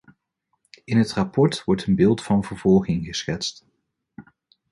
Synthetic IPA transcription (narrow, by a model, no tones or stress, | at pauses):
ɪnɦətrapɔɹtʋɔɹtənbɪːlˠtfɑnvəɹvɔlˠχɪŋχəsχɛtst